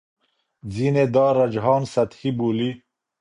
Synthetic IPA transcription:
d͡zined̪ɑːɾɐd͡ʒɦɑːnsɐt̪hibuli

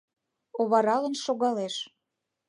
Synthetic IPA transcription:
oβɑɾɑlə̆nʃoɣɑleʃ

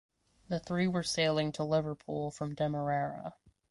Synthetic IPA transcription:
ðɨθɹiwə˞seɪlˠɪ̃ŋtʰəlɪvə˞pʰulˠfɹʌ̃mdɛmə˞æɹə̰

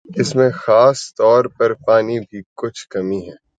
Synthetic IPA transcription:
ɪsmẽxaːst̪ɔːɾpɐɾpaːnibʱikʊt͡ʃʰkɐmiɦɛː

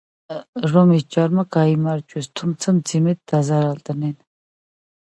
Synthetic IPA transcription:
rɔmit͡ʃaɾmakaimaɾt͡ʃʼuɛst̪ʰumt͡sʰəmt͡simɛt̪̚d̪azaɾalt̪ənɛn

